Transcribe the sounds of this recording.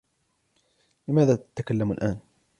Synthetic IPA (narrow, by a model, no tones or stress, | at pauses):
lɪmaːðaːt̪at̪akalːamalʔaːn